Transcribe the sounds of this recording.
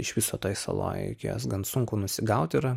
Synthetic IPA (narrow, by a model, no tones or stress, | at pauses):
ɪʃʋʲɪsoːt̪oːjsɐ̰lˠo̰ːjɛ̰ɪkʲeo̰ːsɡɐntsʊŋkʊnʊsʲɪɡɐʊt̪ʲɪɾɐ